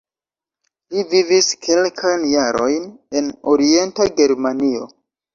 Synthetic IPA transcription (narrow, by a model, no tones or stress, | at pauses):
liviviskʰe̞lkʰajnjaɾo̞̰jne̞noɾie̞ntaɡe̞ɾmanio̞̰